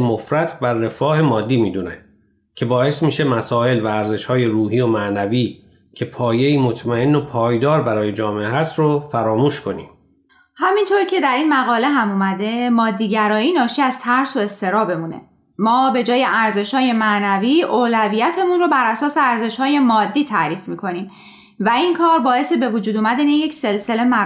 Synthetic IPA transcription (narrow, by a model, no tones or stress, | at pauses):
mofɾæt̪ʰbærːe̞fɒːhe̞mɒːd̪ːiːmiːd̪uːnæ̰ | cʰe̞bɒːe̞st̪miːʃe̞mæsɒːe̞lvæːɾze̞ʃhɒːje̞ɾuːɦiːo̞mæʔnæviː | cʰe̞pʰɒːje̞iːmo̞t̪ʰmæe̞nːopʰɒːjd̪ɒːɾbæɾɒːje̞d͡ʒɒːmeʔeɦæst̪ɾofæɾɒːmuːʃkʰo̞nḭːm | hæmint̪ʰoɾcʰe̞d̪æɾiːnmæɣɒːle̞ɦæmuːmæd̪e̞mɒːd̪ːiːɟæɾɒːjiːnɒːʃiːæz̥t̪ʰæɾso̞e̞st̪ʰe̞ɾɒːbe̞muːnḛ | mɒːbe̞d͡ʒɒːje̞ʔæɾze̞ʃhɒːje̞mænæviːʔoːlævijæt̪ʰe̞munrobæɾʔæsɒːse̞æɾze̞ʃhɒːje̞mɒːd̪ːiːt̪ʰæʔɾiːfmiːkʰo̞nim | væinkʰɒːɾbɒːe̞sebe̞vod͡ʒuːd̪omæd̪ænejecselse̞le̞mæ